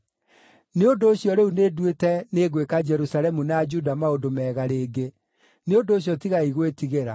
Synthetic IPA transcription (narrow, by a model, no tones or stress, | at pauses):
neondoːɕjɔɾeunedwetɛneɣwekad͡ʒɛɾusaɾɛmunad͡ʒudamaondomɛːɣaɾeːɡe | neondoːɕjɔtiɣaiɣwetiɣeɾa̰